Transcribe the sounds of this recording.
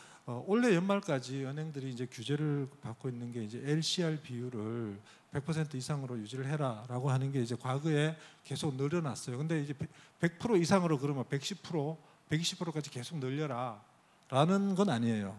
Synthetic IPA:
ʌoɭːe̞jʌnmaɭk͈ad͡ʑiʌnɦeŋdɯɾiːnd͡ʑe̞kjud͡ʑe̞ɾɯɭpak͈oinːɯnɡe̞id͡ʑe̞eɭɕʰiaɭpijuɾɯɭ | pe̞k̚pʰʌsʰe̞ntʰɯisʰaŋɯɾojud͡ʑiɾɯɭɦe̞ɾaɾaɡoɦanɯnɡe̞id͡ʑe̞kwaɡɯe̞ke̞sʰoɡ̚nɯɾjʌna̰s͈ʌjokɯnde̞id͡ʑe̞pe̞k̚pʰɯɾoisʰaŋɯɾokɯɾʌmjope̞k̚ɕ͈ʰipʰɯɾo | pe̞kɕ͈ʰi̥pʰɯɾok͈ad͡ʑike̞sʰoknɯʎːʌɾa | ɾanɯnɡʌnaɲiejo

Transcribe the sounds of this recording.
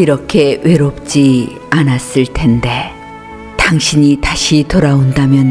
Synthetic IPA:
iɾʌkʰe̞we̞ɾop̚t͡ɕ͈i | anas͈ɯɭtʰe̞nde̞ | taŋɕʰiɲitaɕʰitoɾaondamjʌn

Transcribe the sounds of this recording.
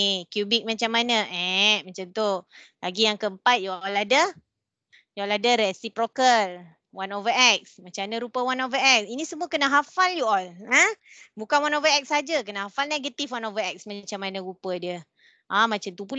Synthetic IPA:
kjubɪk̚mat͡ʃamːanəʔɛʔmat͡ʃamt̪ulaɡijaŋkəəmpat̪̚juɔladə | juɔladəɾɛsipɾokəl | wanovəʔɛk̚smat͡ʃamnəɾupəwanovəɛk̚sinĩsəmuəkənaɦafaljuɔlə | bukanwanovəɛk̚sad͡ʒəkənaɦafalneɡət̪ifwanovəɛk̚smat͡ʃamːanəɾupədiə | ʔamat͡ʃant̪upul

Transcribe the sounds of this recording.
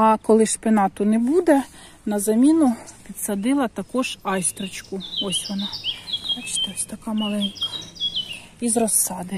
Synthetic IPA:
ɐkɔlˠɪʃpenɑt̪ʊnɛbud̪ɛ | nɐzɐmʲinʊpʲid̪sɐd̪ɪlˠɐt̪ɐkɔʒɑjst̪ɾɔt͡ʃkʊɔsʲʋɔnɑt̪ɑt͡ʃt̪ɔsʲt̪ɐkɑmɐlˠɛnʲkɐ̥ | izrɔsːɑd̪ɪ

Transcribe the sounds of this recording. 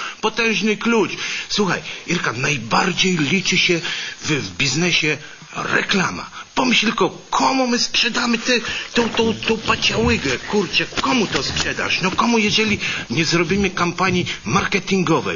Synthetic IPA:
pɔt̪ɛ̃w̃ʐnɘklut͡ʂswuxa̰jiɾkanajbaɾd͡ʑejlʲit͡ʂɘɕɛvvbʲiznɛɕɛ | ɾɛ̰klama̰pɔmɪɕlʲilkɔ | kʰɔmumɘspʂɛd̪amɘt̪ɛt̪ɔ̃w̃t̪ɔ̃w̃t̪ɔ̃w̃pat͡ɕawɘɡɛkuɾt͡ʂɛkɔmut̪ɔspʂɛd̪a̰ʂnɔkɔmujɛʐɛlʲiɲɛzɾɔbʲimɘkampaɲimaɾkɛt̪iŋɡɔvɛ̰j

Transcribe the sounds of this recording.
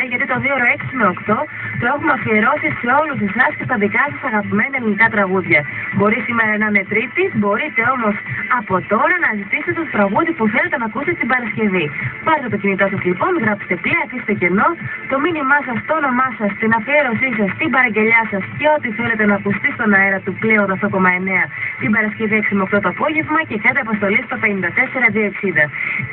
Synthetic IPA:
eʝɐt̪it̪o̞ðioɾo̞e̞ksineokt̪o̞ | t̪oe̞xumɐfieɾo̞sise̞o̞lus̬isɐscest̪ɐðikɐsɐsɐɣɐpime̞niɐlinikɐt̪ɾɐɣuðʝɐbo̞ɾisime̞ɾɐnɐnet̪ɾit̪ibo̞ɾit̪e̞o̞mo̞sɐpo̞t̪o̞ɾɐnɐzit̪ise̥t̪t̪e̞t̪ot̪ɾɐɣuðipuθe̞le̞t̪enɐkust̪est̪ibɐɾɐsce̞vipɐɾt̪et̪ocinit̪osɐzlipo̞nɣɾɐpi̥st̪e̞pliɐfise̥t̪ece̞no̞t̪o̞minimɐs̬ɐst̪oono̞mɐsɐst̪inɐpieɾo̞sisɐst̪imbɐɾɐɲɟe̞ʎɐsɐsceo̞t̪iθe̞le̞t̪e̞nɐːkust̪ist̪o̞nɐeɾɐt̪uple̞onðɐft̪o̞ko̞mɐe̞ne̞ɐt̪ibɐɾɐsce̞vieksimoɐft̪o̞t̪oɐpo̞ʝe̞vmɐce̞kɐd̪iɐpɐst̪o̞lisɐt̪ot̪ɐenind̪ɐt̪e̞se̞ɾɐðiɐeksiðɐ

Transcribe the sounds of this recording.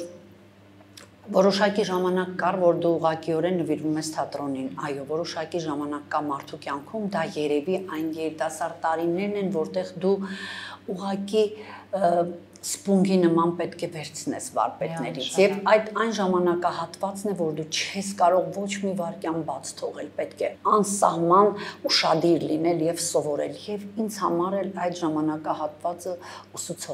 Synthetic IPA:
vɔɾɔʃɑkiʒɑmɑnɑkːɑrvɔɾd̪uːʁɑkiɔɾɛnːəviɾvumɛst̪ʰɑt̪ɾɔninɑjɔvɔɾɔʃɑkiʒɑmɑnɑkːɑmɑɾt̪ʰukjɑŋkʰumd̪ɑjɛɾɛviʔɑjnjɛɾit̪ɑsɑɾd̪t̪ɑɾinɛɾnɛnvɔɾt̪ɛʁd̪u | uʁɑki | spuŋɡinəmɑnpɛt̪kʰɛvɛɾt͡sʰnɛ̰svɑ̰ɾpɛt̪nɛɾit͡sʰjɛvɑjd̪ɑjnʒɑmɑnɑkɑɦɑt̪vɑt͡snɛvɔɾd̪ut͡ʃʰɛskɑɾɔʁvɔt͡ʃʰmivɑɾkjɑnbɑt͡sʰt̪ʰɔʁɛlpɛt̪kʰɛɑnsɑ̰hmɑnuʃɑd̪iɾlinɛljɛvsɔvɔɾɛ̰ljɛvind͡zhɑmɑɾɛlɑjt̪ʒɑmɑnɑkɑhɑt̪vɑt͡səusut͡sʰɔ

